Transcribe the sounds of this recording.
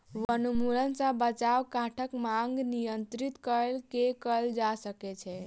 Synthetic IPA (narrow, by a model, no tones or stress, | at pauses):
ʋənumuɾənsə̃bət͡ʃawkãʈʰəkmaŋɡnijənt̪ɾit̪kəlkekəld͡ʒasəkɛt͡ʃʰɛ